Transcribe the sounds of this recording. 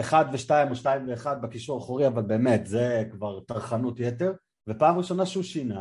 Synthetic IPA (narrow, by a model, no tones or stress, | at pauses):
eχad̪veʃtaimoʃtaimve̞ːχad̪̚bekiʃuʁaχuʁiavalbe̞ːme̞t̪zekvaʁt̪aʁχanutjet̪e̞ʁ | vepaːmʁiʃo̞naʃeuʃina